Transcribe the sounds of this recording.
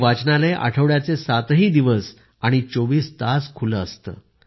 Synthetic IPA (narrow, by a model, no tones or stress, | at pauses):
ʋat͡snaleʔa̰ʈʰəʋɭjat͡sesat̪ɦiːd̪iʋəs | aɽ̃it͡soʋiːst̪askʰuləːst̪ə̰ː